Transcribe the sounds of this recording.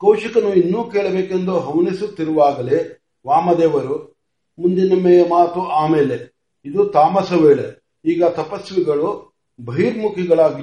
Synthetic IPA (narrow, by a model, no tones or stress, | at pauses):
kɐwʃɐkɐnuinːuːkeːɭɐbeːkend̪oɦɐʋnisut̪ːiɾuʋaːɡɐle | ʋaːmɐd̪ɛːʋɐɾu | mund̪inɐmɛːjɐmaːt̪uaːmeːle | id̪ut̪aːmɐsɐʋeːɭe | iːɡɐt̪ɐpɐsʋiɡɐɭu | bʱɐiɾmukʰiɡɐɭaːɡi